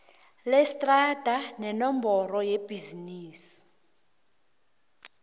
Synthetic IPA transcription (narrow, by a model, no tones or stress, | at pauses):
lɛstʼrad̥ʱanɛnɔmbɔrɔjeb̥ʱiziniːsi̥